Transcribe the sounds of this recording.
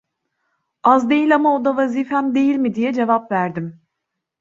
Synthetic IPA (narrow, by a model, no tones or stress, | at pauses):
azd̪e̞jilʲamaod̪avazifhæmd̪e̞jilʲmid̪ijɛd͡ʒe̞vapvæɾd̪im